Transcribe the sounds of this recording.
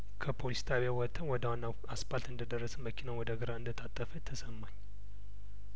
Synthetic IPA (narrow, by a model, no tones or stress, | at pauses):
kʰəpʰolist̪ʰaβjawɔt̪ʰːənwɔd̪əanːa | aspalt̪ɨnd̪əd̪ərːəsməkʰinəwɔd̪əɡəɾaɨnd̪ət̪ʰat̪ʼːəfət̪ʰəsəmːaɲː